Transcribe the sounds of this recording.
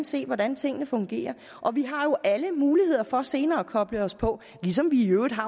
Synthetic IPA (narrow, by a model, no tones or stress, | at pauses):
nse̝̰ːʋɒdænt͡sʰe̝ŋ̰ənəfɔ̽ŋɡ̥e̝̰ːɐ | ʔɒ̽ʋiɦɑ̈jo̝ʔæləmuːlihe̝ð̰ˠɐfɒ̽se̝ːnɐːɒkʰɒ̽b̥ləɒ̽spʰɒ̽ | lisɒ̽mʋiøːðˠɦɑ̈